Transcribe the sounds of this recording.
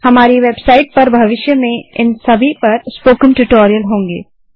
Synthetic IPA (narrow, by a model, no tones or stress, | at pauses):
hɐmaːɾiʋeːbsaːɪʈ̚pɐɾbʱɐʋɪʃjəmẽɪnsɐbʱipɐɾspoːkə̃nʈuʈoːɾijəlɦõːŋɡḛː